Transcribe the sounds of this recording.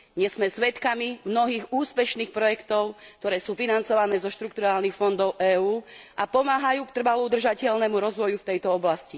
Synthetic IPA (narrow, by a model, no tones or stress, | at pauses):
ɲɛszmɛsʋɛt̪kamimnɔɦiːɣuːspɛʃniːxpɾɔjɛkt̪ɔʊk̚t̪ɔɾɛːsuːfinant͡sɔʋanɛːzɔʃt̪ɾukt̪uɾaːlnixfɔnd̪ɔʊʔɛːuːʔapɔmaːɦajuːkt̪r̩ʋalud̪r̩ʒacɛʎnɛmuɾɔzʋɔjuft̪ɛjt̪ɔɔblasci